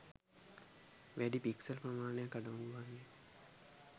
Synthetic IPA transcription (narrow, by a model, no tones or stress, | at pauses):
ʋæɖipiksɐlprɐmaːnejakːaɖaunuʋanːe